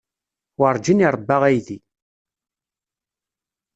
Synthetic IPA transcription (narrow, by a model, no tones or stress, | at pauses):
wəɾˤd͡ʒiniɾˤəbːaʁæjði